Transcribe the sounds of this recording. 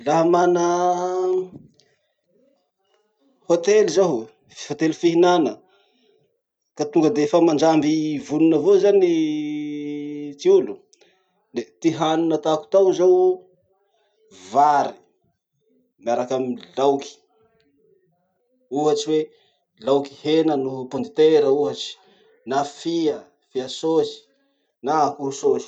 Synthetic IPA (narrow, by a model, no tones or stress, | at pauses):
laɦamanə | hot̪eluzaɦ | hot̪elufiɦinanə | kat̪uŋɡəd̪eefəmand͡ʒambivununəvozani | t̪iulu | d̪et̪iɦanunət̪aku̥t̪awzaw | vaɾi | miaɾakamilawki̥ | uɦat͡ʃiwe | lawki̥henənupond̪it̪eɾəuɦat͡ʃi̥ | nafiə | fiasozi̥ | nakuɦusozi̥